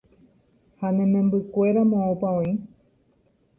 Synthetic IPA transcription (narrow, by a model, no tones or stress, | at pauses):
hanẽmẽ̞mbɨkʷe̞ɾamõõpaõĩ